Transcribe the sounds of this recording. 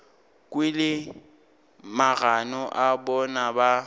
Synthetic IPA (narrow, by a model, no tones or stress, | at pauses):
kʼwilɪ | maɣanɔʔabɔnaba